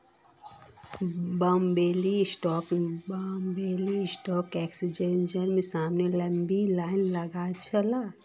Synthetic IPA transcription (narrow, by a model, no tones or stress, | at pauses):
bəmbeːlisʈɔːkbəmbeːlisʈɔːkɛːksid͡ʒẽːnd͡ʒəɾmẽsaːmnelɛ̃mbilaːɪnləɡat͡ʃʰəla